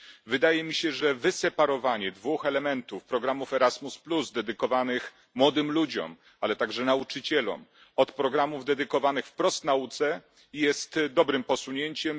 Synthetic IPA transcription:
vɘd̪ajɛmʲiɕɛʐɛvɘsɛpaɾɔvaɲɛd̪vuxɛlɛmɛnt̪ufpɾɔɡɾamufɛɾazmuspluzd̪ɛd̪ɘkɔvanɘx | mwɔd̪ɘmlud͡ʑɔ̰m | alɛt̪aɡʐɛnaut͡ʂɘt͡ɕɛlɔ̰m | ɔt̪pɾɔɡɾamuvd̪ɛd̪ɘkɔvanɘxfpɾɔst̪naut̪sɛ | jɛst̪d̪ɔbɾɘmpɔsuɲeɲt͡ɕɛm

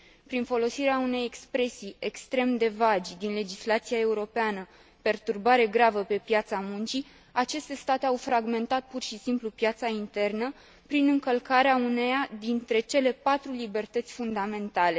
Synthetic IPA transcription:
pɾinfo̞lo̞siɾeaune̞jekspɾe̞siekst̪ɾe̞md̪e̞vad͡ʒʲd̪inle̞d͡ʒislat̪sijae̞uɾo̞peanə | pe̞rt̪urbaɾe̞ɡɾavəpe̞pjat̪samunt͡ʃi | at͡ʃe̞st̪e̞st̪at̪eawfɾaɡme̞nt̪at̪̚purʃisimplupjat̪saint̪e̞rnə | pɾinɨŋkəlkaɾeaunejad̪int̪ɾe̞t͡ʃe̞le̞pat̪ɾulibe̞rt̪ət̪sʲfund̪ame̞nt̪ale̞

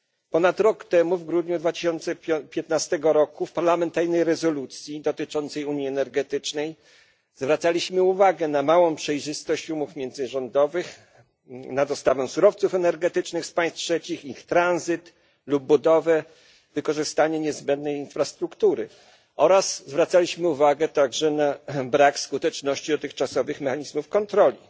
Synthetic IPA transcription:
pɔnat̪ɾɔkt̪ɛmuvɡɾud̪ɲud̪vat̪ɘ̥ɕɔnt̪sɛpʲjɛt̪nast̪ɛɡɔɾɔkufpaɾlamɛnt̪aɾnɛjɾɛzɔlut̪sʲjid̪ɔt̪ɘt͡ʂɔnt̪sɛjuɲjiɛnɛɾɡɛt̪ɘt͡ʂnɛj | zvɾat̪salʲiɕmɘuvaɡɛnamawɔ̃w̃pʂɛjʐɘst̪ɔɕt͡ɕumufmʲjɛnd̪zɘʐɔnd̪ɔvɘx | nad̪ɔst̪avɛ̃w̃suɾɔft̪sufɛnɛɾɡɛt̪ɘt͡ʂnɘxspaj̃st̪̚tʂɛt͡ɕixixt̪ɾanzɘt̪ | lub̚ːud̪ɔvɛ | vɘkɔʐɘst̪aɲɛɲɛzbɛnd̪nɛjinfɾast̪ɾukt̪uɾɘ | ɔɾaszvɾat̪salʲiɕmɘuvaɡɛt̪aɡʐɛnabɾakskut̪ɛt͡ʂnɔɕt͡ɕid̪ɔt̪ɘxt͡ʂasɔvɘxmɛxaɲizmufkɔnt̪ɾɔlʲḭ

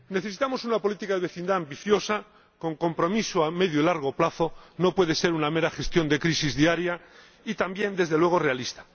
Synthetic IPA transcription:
neθeit̪amo̞sunapo̞lit̪ikaðe̞βe̞θind̪aːmbiθjo̞sa | ko̞ŋko̞mpɾo̞misoame̞ðjoilaɾɣ̞o̞plaθo̞no̞pwe̞ðe̞se̞ɾunameɾaxe̞st̪jo̞nd̪e̞kɾisizðiaɾja | it̪ambje̞nd̪e̞zðe̞lwe̞ɣ̞o̞re̞alist̪ḁ

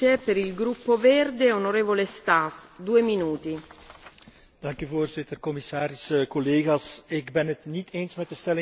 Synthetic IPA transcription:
epeɾilɡɾupːovɛrd̪eonoɾeːvolest̪asd̪uːeminuːt̪i | d̥ɑŋkyvoːrzɪtərkɔmisaːɾɪskɔleːɣasɪɡbɛnətnitʰeːnsmɛt̚dəstɛlɪ

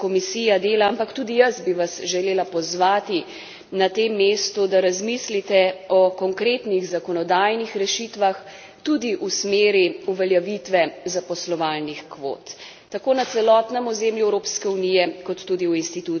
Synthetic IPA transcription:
kɔmisiːjad̪eːlaampakt̪uːd̪ijəzbiʋasʒɛleːlapɔzʋaːt̪i | nat̪emːeːst̪ud̪aɾazmislit̪ɛɔkɔŋkɾeːt̪niɣzakɔnɔd̪ajnixɾɛʃit̪ʋax | t̪ud̪iʔusmeːɾiuʋɛljaʋit̪ʋɛzapɔslɔʋalnixkʋo̰ːt̪ː | akoːnat̪sɛlɔt̪nɛmɔzeːmljuɛwɾoːpskɛunijɛkɔt̪ːuːd̪iuinst̪it̪u

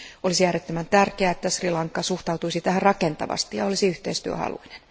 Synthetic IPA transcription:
olisijæːɾet̪ːømænt̪ærkeæet̪ːæsrilɑŋkːɑsuht̪ɑwt̪uisit̪æhærrɑke̞nt̪ɑ̰ʋɑ̰st̪ijɑo̞lisiyht̪eist̪yø̰hɑ̰lṵine̥n

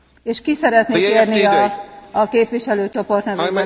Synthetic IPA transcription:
eːʃkisɛɾɛt̪neːkeːrniɒː | keːpʋiʃɛløːt͡ʃo̞po̞rt̪nɛɾo

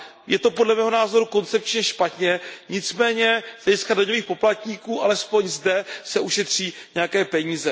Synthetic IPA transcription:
jɛt̪o̞podlɛmɛːɦo̞naːzo̞ɾuko̞nt͡sɛp̚t͡ʃɲɛʃpat̪ɲɛɲɪt͡smɛːɲɛz̥lɛɟɪskadaɲoviːxpo̞plat̪ɲiːkuːʔalɛspo̞ɲzdɛsɛʔuʃɛt̪r̝̥iːɲɛjakɛːpɛɲiːzɛ

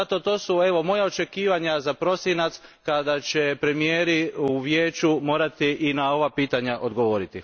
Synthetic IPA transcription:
at̪o̞t̪o̞ːsue̞ʋo̞mo̞jaot͡ʃe̞kiːʋaɲazapɾo̞sjinat̪skad̪at͡ɕe̞pɾe̞mijeːɾiuʋjeːt͡ʃumo̞ːɾat̪iʔinao̞ʋapiːt̪aɲaʔo̞d̪ɡo̞ʋo̞ɾit̪i

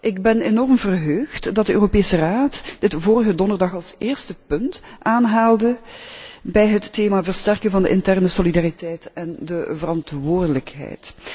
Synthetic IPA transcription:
ʔɪɡbɛnenɔrmvərɦøːxtdɑt̚dəʔø̰ːropeːsəraːtd̥ɪtvoːrəɣədɔndərdɑxɑlˠsɪːɹstəpɵntʔaːnɦaːlˠdə | bɛjɦətːeːmaːvərstɛrkənvɑndə̰ʔɪntɛrnəsolidaːritɛjtɛndəvərɑntʋʊːrdələkɦɛ̰jt

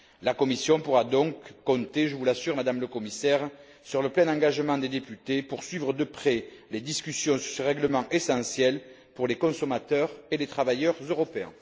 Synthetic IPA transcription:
lakɔmisjɔ̃puʁad̪ɔ̃kːɔ̃t̪eʒəvulasyʁmad̪amləkɔmisɛʁ | syʁləplɛ̃nɑ̃ŋɡaʒəmɑ̃d̪ed̪epyt̪epuʁsɥivʁəd̪əpχɛled̪iskʲysjɔ̃syʁsəʁɛɡləmɑ̃ʔesɑ̃sjɛl | puʁlekɔ̃sɔmat̪œʁelet̪χavajœʁzøʁɔpeɛ̰̃

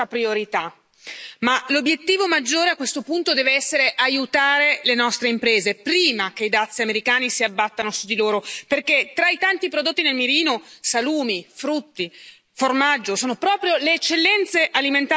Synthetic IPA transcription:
apɾioɾit̪a | malobːjet̪ːiːvomad͡ʒːoːɾeakːwest̪opunt̪od̪ɛːveɛsːeɾeʔajut̪aːɾelenɔst̪ɾeimpɾeːzepɾiːmak̟eid̪at̪sːiameɾikaːnisiabːat̪ːanosud̪ːiloːɾoperket̪ːɾait̪ant̪ipɾod̪ot̪ːinelmiɾiːnosaluːmifɾut̪ːi | formad͡ʒːosoːnopɾɔːpɾjoleːt͡ʃːelːɛnt̪seʔaliment̪a

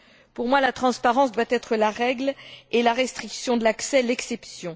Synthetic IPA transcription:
puʁmwalat̪χɑ̃spaʁɑ̃s̬d̪wat̪ɛt̪χəlaʁɛɡlelaʁɛst̪χiksjɔ̃d̪əlaksɛlɛksɛpsjɔ̃

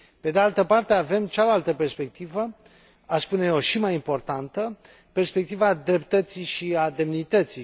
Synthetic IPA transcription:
pe̞d̪ealt̪əpart̪eave̞mt͡ʃalalt̪əpe̞rspe̞k̚t̪ivə | aspune̞oʃimajimpo̞rt̪ant̪ə | pe̞rspe̞k̚t̪ivad̪ɾe̞pt̪ət̪siʃiad̪e̞mnit̪ət̪si

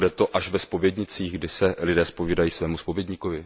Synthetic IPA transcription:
dɛt̪o̞ʔaʃvɛspo̞vjɛdɲɪt͡siːɣɡdɪsɛlɪdɛːspo̞viːdajiːsvɛːmuspovjɛdɲɪkovɪ

